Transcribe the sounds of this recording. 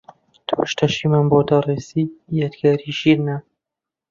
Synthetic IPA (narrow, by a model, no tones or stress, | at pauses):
t̪ʰuʃt̪ʰɐʃimaːnboːd̪ɐrˤeːsiːjad̪ɡaːɾiːʒiːɾnɐ